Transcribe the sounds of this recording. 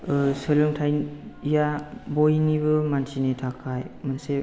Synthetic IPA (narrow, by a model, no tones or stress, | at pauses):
sɯlɯŋtʰajjabojnibɯmansʰinetʰakʰajmanse